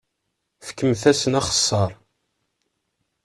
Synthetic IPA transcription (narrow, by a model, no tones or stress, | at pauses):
fə̥kːəmθæsənɑχə̥sˤːɑɾˤ